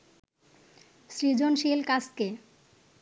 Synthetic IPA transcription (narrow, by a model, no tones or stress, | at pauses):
sɾid͡ʑonʃilkaske